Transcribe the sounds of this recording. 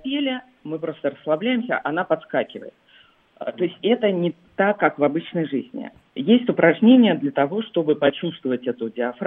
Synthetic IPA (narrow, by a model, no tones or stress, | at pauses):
pʲelʲɪ | mɨpɾo̞st̪əɾəslˠɐblʲæjɪmsʲə̰ʔɐnapɐt̪skakʲɪvə̰jɪt̪̚ | t̪oɪsʲtʲɛt̪ənʲɪ | t̪akːakvɐbɨt͡ɕnəjʐɨzʲnʲɪ̰ | jesʲtʲʊpɾɐʐnʲenʲɪjəd̪lʲət̪ɐvo̞ʂt̪o̞bɨpɐt͡ɕust̪vəvətʲɛt̪ʊdʲɪɐf